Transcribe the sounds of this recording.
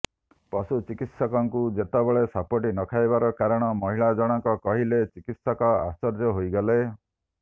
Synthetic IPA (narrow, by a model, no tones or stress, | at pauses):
pɔsut͡ʃikit̪sɔkɔŋkud͡ʒet̪ɔbeɭesapɔʈinɔkʰajbaɾɔkaɾɔɽ̃ɔmɔɦiɭad͡ʒɔɽ̃ɔŋkɔkɔɦilet͡ʃikit̪sɔkɔa̰st͡ʃɔɾd͡ʒɔɦojɡɔle